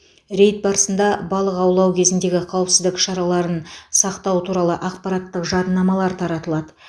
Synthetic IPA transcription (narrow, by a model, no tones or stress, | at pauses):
ɾe̞jt̪̚bɑɾəsənd̪ɑbɑlˠəqɑwlˠɑwkʲʰe̞zɪnd̪e̞ɡʲɪqʰɑwəpsɪzd̪ɪkʃɑɾɑlˠɑɾənsɑqt̪ɑwət̪ʰuɾɑlˠəʔɑqpɑɾɑt̪ːəqʒɑd̪nːɑmɑlˠɑɾt̪ʰɑɾɑt̪əlˠɑd̪ə